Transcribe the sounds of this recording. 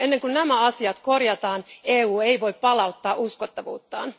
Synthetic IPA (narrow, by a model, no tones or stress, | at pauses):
e̞nːeŋkunnæmæɑsiɑt̪ko̞rjɑt̪ɑːneːuːejʋo̞jppɑlɑut̪ːɑːʔuskot̪ːɑʋṵːt̪ːɑ̰ːn